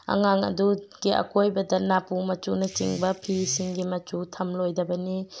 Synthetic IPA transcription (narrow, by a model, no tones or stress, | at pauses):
ɐ̰ŋaŋɐ̰duɡ̥iʔɐ̰kʰojbɐdɐnapumɐt͡ʃunɐt͡ʃḭŋbɐpʰisiŋɡimɐt͡ʃutʰɐmlojdɐbɐni